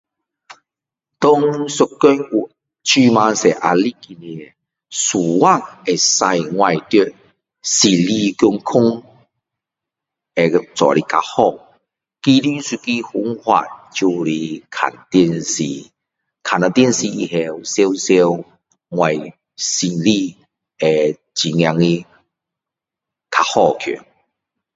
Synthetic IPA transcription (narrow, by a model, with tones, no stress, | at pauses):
t̪ɔ˦ŋsu˧kːø˦nu˨˩ | t͡ɕʰy˧mã˧se˨ʔa̰˧li˦˨ki˧ni˧˨ | su˨˩wa˦˧˨e˨˩sa˧jŋwa˧jt̪u˧ | si˨˩li˧kju˧ŋkʰʊ˦ŋ | e˨t͡sɔ̰˨ɾi˧ka̰˧hɔ˥˧˨ | ki˦li˦si˧ki˦hu˨˦ŋhwa̰˧˨t̚t͡ɕu˧li˧kʰa̰˨˩nt̪i˥˧˨nsi˧ | kʰa˨na˧t̪i˥˧˨nsi˧i˧ɦe˧wse˦wse˦w | ŋwa˧˩j | si˧˩li˧ | e˨ | t͡ɕi˨ŋja˧ŋi˦ | kʰa˧hɔ˦˧kʰjṵ˨n